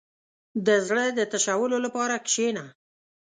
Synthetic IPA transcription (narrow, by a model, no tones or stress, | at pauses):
d̪əzɽəd̪ət̪aʃawəlolapɑɾakʃena